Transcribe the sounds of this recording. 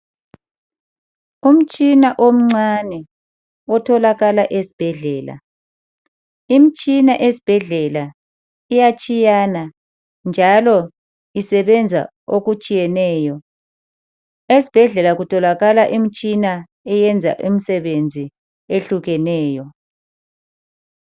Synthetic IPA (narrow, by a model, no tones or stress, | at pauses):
um̩t͡ʃʼinaʔom̩ŋ͡ǀanɛ | ɔtʰɔlaɣalaʔesi̥b̥ʱɛɮɛːla̰ | imit͡ʃʼinaʔesi̥b̥ʱɛɮɛla | ijat͡ʃʼijana | nd͡ʒʱalɔ | isɛβɛnd͡zʱa̰ | oɣut͡ʃʼijɛnɛːjɔ | esi̥b̥ʱɛɮɛlaɣutʰɔlaɣalaʔim̩t͡ʃʼina | ɛjɛnd͡zʱa̰ʔum̩sɛβend͡zʱi | eɬuɣɛnɛːjɔ